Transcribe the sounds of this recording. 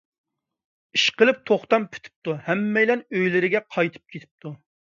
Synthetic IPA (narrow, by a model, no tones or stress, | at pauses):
iʃqəlˠɨp̚t̪ʰoχt̪ɑmpʰy̥t̪ʰɪ̥p̚t̪uhɛmːɛjlɛnøjlɪɾɪɡʲɛqʰɑjt̪ʰɨ̥p̚kʲʰet̪ʰɪ̥p̚t̪ʰu